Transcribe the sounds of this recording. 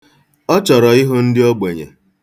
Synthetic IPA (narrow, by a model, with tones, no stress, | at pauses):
ɔ˦t͡ʃɔ˨ɾɔ˨ɪ˦ɦo˦n̩˦dɪ˦ɔ˦ɡ͡be˨ɲḛ˨